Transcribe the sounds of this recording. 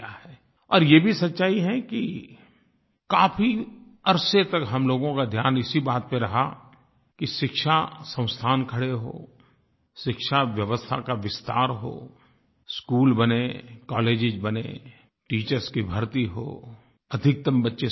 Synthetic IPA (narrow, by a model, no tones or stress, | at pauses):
aɦɛː | ɔːɾjebʱisɐtːʃaːiɦɛki | kaːfʰiɐɾset̪ɐkɦɐmloːɡõkad̪ʱjaːnɪsibaːt̪̚peɾɐɦa̰ | kiʃɪkʃasə̃ʊ̃st̪ʰaːnkʰɐɽeɦo̰ː | ʃɪkʃaʋjɐʋəst̪ʰa̰kaʋɪst̪a̰ːɾɦo̰ː | skuːlbɐnekɔːleːd͡ʒɪd͡ʒbɐnḛ | ʈiːt͡ʃəɾskibʱɐɾt̪iɦo̰ː | ɐd̪ʱɪk̚t̪əmbɐtːʃe